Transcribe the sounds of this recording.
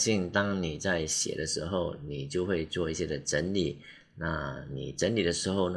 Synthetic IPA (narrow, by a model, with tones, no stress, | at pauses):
ɕi˥˧ŋt̪ɑ˥ŋni˨˩t͡sa˥˩ɪɕjɛ̰˨˩d̪ə˦ʂɻ̩˧˥xo˥˩ʊni˨˩t͡ɕjo˥˧ʊxwe˥˧ɪt͡swɔ˥˧i˥˩ɕjɛ˥d̪ə˨ʈ͡ʂə˧˦˥nli˨˩˦ | na˥˩nḭ˨˩ʈ͡ʂə˧˦˥nli˨˩d̪ə˦ʂɻ̩˧˥xo˥˧ʊn